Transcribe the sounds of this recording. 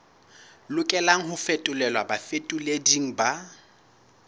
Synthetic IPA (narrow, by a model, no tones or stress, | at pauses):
lʊkʼɛlaŋ̩ɦʊfetʼʊlɛlwabafetʼʊlediŋ̩ba